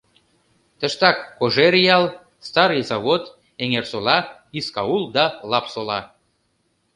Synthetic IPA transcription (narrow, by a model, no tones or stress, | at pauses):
t̪ə̆ʃt̪ɑkːoʒeɾjɑl | st̪ɑɾjzɑβot̪ | eŋersolɑiskɑulˠd̪ɑlɑpsolɑ